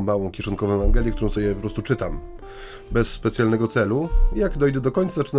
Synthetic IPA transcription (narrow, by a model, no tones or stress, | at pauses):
mawɔ̃w̃kʲjɛʂɔnkɔvɔ̃ɛanɡɛlʲjɛkt̪uɾɔ̃w̃sɔbʲjɛpɔpɾɔst̪ut͡ʂɘt̪am | bɛsːpɛt̪sʲjalnɛɡɔt̪sɛlujaɡd̪ɔjd̪ɛd̪ɔkɔɲt̪sat͡ʂɘn